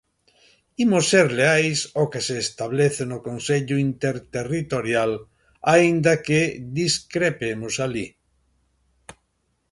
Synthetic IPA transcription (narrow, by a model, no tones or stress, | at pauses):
imoseɾleajsokeseːst̪aβleθenʊkonseʎʊint̪eɾt̪erit̪oɾjal | aind̪aked̪iskɾepemʊsali